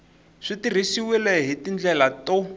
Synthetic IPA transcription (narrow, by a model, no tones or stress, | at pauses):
ʂitir̤isiwilɛɦitind͡ɮɛlato